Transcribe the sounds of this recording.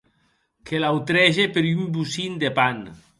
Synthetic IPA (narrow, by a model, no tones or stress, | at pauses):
kʰelawt̪ɾɛʒepeɾymbusind̪epan